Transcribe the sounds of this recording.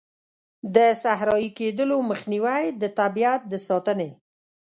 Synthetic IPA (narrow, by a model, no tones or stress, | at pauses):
d̪əsaɦɾɑjiked̪əloməxniwajd̪ət̪abiat̪̚d̪əsɑt̪əne